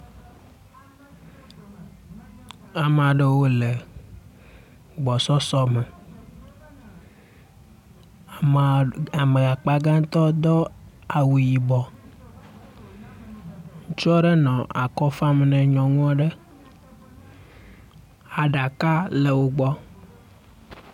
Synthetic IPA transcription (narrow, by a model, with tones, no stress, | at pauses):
a˨m˨a˨ɖe˦wo˦le˨ | ɡ͡bɔ˨sɔ˦sɔ˦me˨ | m˨a˨mẽ˨a˨k͡pa˦ɡã˦t̪ɔ˦d̪ɔ˦a˨wu˨ji˨bɔ˨ | ŋ˦t͡ʃu˦ɔ˦ɖe˦nɔ̃˨ʔa̰˨kɔ˦fa˦m˨nɛ̃˨ɲɔ̃˨ŋũ˦a˦ɖe˦ | a˨ɖa˨ka˦le˨wo˦ɡ͡bɔ˦